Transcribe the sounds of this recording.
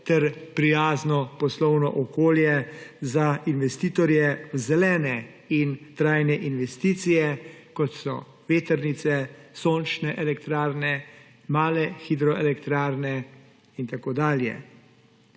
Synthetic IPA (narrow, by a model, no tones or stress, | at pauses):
t̪ɛɾpɾijaːznɔpɔslɔwnɔ̰ʔɔkoːljɛzainʋɛst̪iːt̪ɔɾjɛwzɛlɛːnɛ | int̪ɾaːjnɛʔinʋɛst̪iːt̪sijɛkɔt̪sɔ̰ | ʋeːt̪ɛɾnit̪sɛsoːnt͡ʃnɛʔɛlɛkt̪ɾaːɾnɛ | maːlɛxid̪ɾɔɛlɛkt̪ɾaːɾnɛ | int̪akoːd̪aːljɛ̰